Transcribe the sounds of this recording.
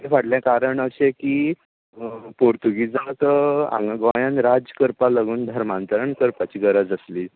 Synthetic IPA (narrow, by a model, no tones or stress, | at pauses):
tefaɽljãkaɾəɳəɕeki | poɾt̪uɡid͡zat̪əa̰ŋɡɡajanɾad͡zəkəɾpaləɡuːnd̪ʱəɾmãnt̪əɾəɳkəɾpat͡ɕiːɡəɾəd͡zəsliː